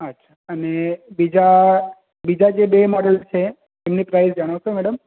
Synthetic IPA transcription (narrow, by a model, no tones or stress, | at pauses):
ətːʃʰḁənebid͡ʒa | bid͡ʒad͡ʒebemɔɽəlt͡ʃʰe | emnipɾajsd͡ʒəɽ̃aʃomɛɽəm